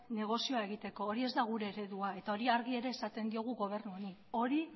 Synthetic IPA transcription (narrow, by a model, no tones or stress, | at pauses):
ne̞ɣ̞o̞sio̞ae̞ɣ̞it̪e̞ko̞ːɾie̞zd̪aɣ̞uɾe̞ːɾe̞ðuae̞t̪ao̞ɾiaɾɣie̞ɾe̞ːsat̪e̞nd̪io̞ɣ̞uɣo̞β̞e̞ɾnuonio̞ɾi